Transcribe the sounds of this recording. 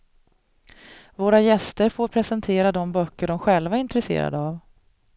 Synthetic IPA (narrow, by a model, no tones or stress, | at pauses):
voːɾajɛst̪əɾfoːɾpʰɾɛsɛnt̪ʰeːɾad̪ɔmbœkːəɖɔmɧɛlvaɾɪnt̪ɾɛsḛːɾa̰d̪əav